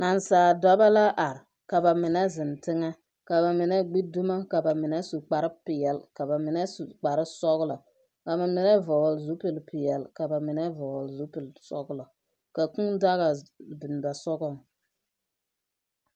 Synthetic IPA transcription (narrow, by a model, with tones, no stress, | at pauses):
na˨nsaː˨da˦ba˦la˦ʔa˨ɾ | ka˨ba˨mɪ˨nɛ˦zɪ˨ntɪ˦ŋa˦ | ka˨βa˨mɪ˨nɛ˦ɡ͡bi˦du˦ma˦ka˨ba˨mɪ˨nɛ˦su˨k͡pa˨ɾɨ˦pɪ˨jɛ˨lka˨ba˨mɪ˨nɛ˦su˨k͡pa˨ɾɨ˦sɔ˦ɣlɔ˨ | ka˨ma˨mɪ˨nɛ˦vɔ˨ɣlzu˦pɨ˨lpɪ˨jɛ˨lka˨ba˨mɪ˨nɛ˦vɔ˨ɣɔ˨lzu˦pɪ˨lsɔ˦ɡlɔ˨ | ka˨ku˦ŋda˦ɣa˨bɪ˨n˨ba˨sɔ˦ɡɔ˦˨ŋ